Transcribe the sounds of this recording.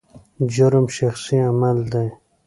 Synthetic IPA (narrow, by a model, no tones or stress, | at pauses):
d͡ʑʊɾmʃaxsiamald̪aj